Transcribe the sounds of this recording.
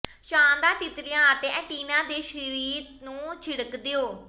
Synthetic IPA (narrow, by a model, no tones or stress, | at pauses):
ʃãːnd̪aːt̪ɪt̪ɾɪjãːt̪ẽɛːʈiːnãːd̪eːʃɾiɾiːt̪nũːt͡ʃʰɪɽəkd̪eːoː